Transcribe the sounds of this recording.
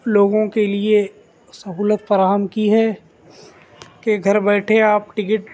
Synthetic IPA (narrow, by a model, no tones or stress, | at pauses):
loːɡõkelie | sɐɦuːlət̪fɐɾaːɦəmkiɦɛː | keɡʱɐɾbɛːʈʰeaːpʈɪkɪʈ